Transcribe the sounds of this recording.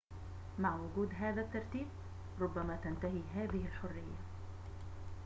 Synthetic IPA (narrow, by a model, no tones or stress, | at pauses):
maʕwʊɡuːd̪ɦaːðat̪ːɑɾˤt̪iːb̚ | ɾˤʊbːamaːt̪ant̪aɦiːɦaːðɪhɪlħʊrːɪjːa̰